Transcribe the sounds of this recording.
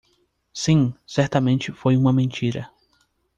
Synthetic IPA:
sĩsɛɾt̪ɐmẽnt͡ʃɪfojũmɐmẽnt͡ʃiɾɐ̰

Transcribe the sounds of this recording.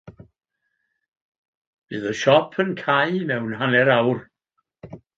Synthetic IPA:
vɨːðəʃɔpʰənkʰajmɛwnhanɛɾawr

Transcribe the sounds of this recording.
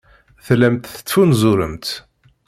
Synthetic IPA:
θlæmt̪θə̥t̪ːfunzʊɾəmt̪

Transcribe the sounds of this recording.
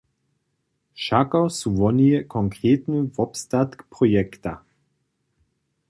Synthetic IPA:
ʃakawsuvɔnijɛkʰɔŋkʁeːtnəvɔpstatkpʁɔjɛkta

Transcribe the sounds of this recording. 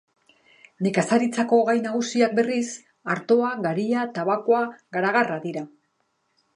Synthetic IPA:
ne̞kasaɾit͡sako̞ːɣajnaɣ̞usiak̚be̞ris | aɾt̪o̞aɣaɾiat̪aβako̞aɣaɾaɣaraðiɾa

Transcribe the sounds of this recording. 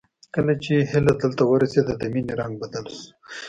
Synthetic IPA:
kəlat͡ʃeɦɪlad̪əlt̪awəɾased̪ad̪aminiɾaŋɡbad̪als

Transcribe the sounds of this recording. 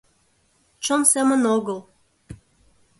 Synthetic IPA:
t͡ʃomsemənoɣəl

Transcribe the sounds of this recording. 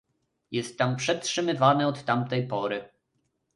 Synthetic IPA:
jɛst̪ːampʂɛtʂɘmɘvanɛɔt̪ːamt̪ɛjpɔɾɘ

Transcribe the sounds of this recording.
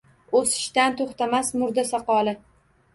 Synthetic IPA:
osɪ̥ʃt̪ant̪ʰoχt̪amasmʊɾd̪asɑqɒlˠɪ

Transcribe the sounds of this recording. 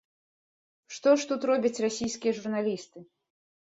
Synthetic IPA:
ʂt̪ɔʂt̪ut̪ɾɔbʲɐt͡sʲrasʲijskʲijɐʐurnalʲist̪ɨ

